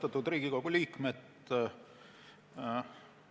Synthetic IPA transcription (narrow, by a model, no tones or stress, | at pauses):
t̪ɑt̪ːˑud̪rɾiːɡ̥ikoɡ̥uliːkmet̪